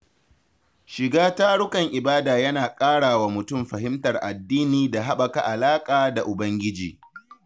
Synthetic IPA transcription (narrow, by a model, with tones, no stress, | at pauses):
ʃɪ˨ɡaː˦ta˦ɽʊ˦kɐ˨ŋʔɪ˨baː˦daː˨jɐ˦naː˨kʼaː˦ɽaː˨wa˨mʊ˨tʊ˦˨mɸɐ˨ɦɪ˦mtɐ˨rʔa˨dːiː˦niː˨da˨ɦa˦ɓɐ˨ka˦ʔa˨laː˦kʼaː˨da˨ʔʊ˨bɐ˦ŋɡʲɪ˦d͡ʒiː˨